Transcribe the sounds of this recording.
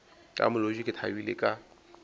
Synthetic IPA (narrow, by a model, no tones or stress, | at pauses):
kʼa̰mʊloʒikʼɪt̪ʰawilɪkʼa